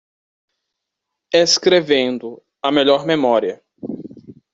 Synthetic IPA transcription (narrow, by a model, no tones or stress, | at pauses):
eskɾevẽnd̪ʊ | ɐmeʎɔɾmemɔɾiɐ